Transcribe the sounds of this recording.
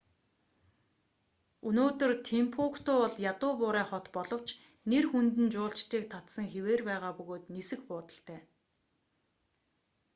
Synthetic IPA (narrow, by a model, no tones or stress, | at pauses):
unoːt̪ɵ̆rt̪ʰempʰukt̪ʊːɔɮjat̪ʊːpʊːɾæːχɔt̪pɔɮɞ̆w̥t͡ɕ | nerxunt̪ɘ̆nt͡ɕʊːɬt͡ɕt̪ʰiːk̚t̪ʰat̪sə̆ŋxeweːrpæːʁaːpɵɣoːt̪nisɘ̆xpʊːt̪ə̆ɬt̪ʰæː